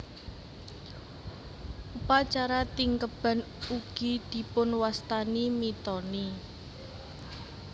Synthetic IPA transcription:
ʔupat͡ʃaɾat̪iŋkəb̥a̤n | uɡ̥id̪̥i̤pʊnwast̪animit̪ɔni

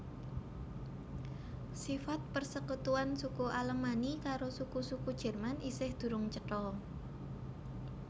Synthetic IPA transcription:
sifat̪̚pərsəkut̪uansukuʔaləmanikaɾosukusukud̥ʒ̥ə̤rmanʔisɪhd̪̥ṳɾʊŋt͡ʃəʈɔ

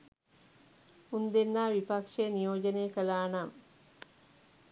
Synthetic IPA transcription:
und̪enːaːʋipakʂeːnijoːd͡ʒəneːkəlaːnam

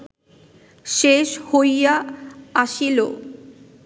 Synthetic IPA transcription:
ʃeʃhojaaʃilo

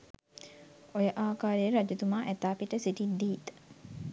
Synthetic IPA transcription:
ojəʔaːkaːɾejəɾad͡ʒut̪umaːʔɛt̪aːpiʈəsiʈid̪iːt̪ə̥

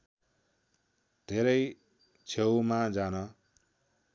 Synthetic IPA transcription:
d̪ʱeɾʌj | t͡sʰewmad͡zanʌ

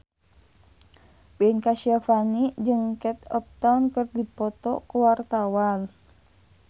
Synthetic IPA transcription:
bɛnkaʃiafanid͡ʒɨŋkɛt̪ɔp̚t̪awnkɨrdipɔt̪ɔkuwart̪awal

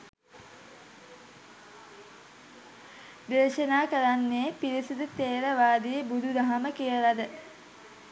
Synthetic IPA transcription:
d̪eːʃənaːkəɾanːepiɾisid̪ut̪eːɾəʋaːd̪ijəbud̪ʱud̪aɦaməkijəlad̪ə

